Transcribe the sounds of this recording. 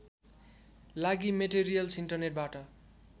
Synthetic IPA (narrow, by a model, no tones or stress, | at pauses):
laɡimeʈeɾijʌlsiɳʈʌrneʈ̚baʈʌ